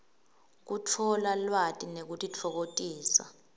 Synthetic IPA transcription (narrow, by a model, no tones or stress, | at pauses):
k̬utʰɔlalwatʼinek̬utʼit͡fʰɔk̬otʼiːsa̰